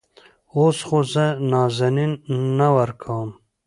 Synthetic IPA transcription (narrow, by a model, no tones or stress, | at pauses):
osxozənɑːzaninːawəɾkʰawəm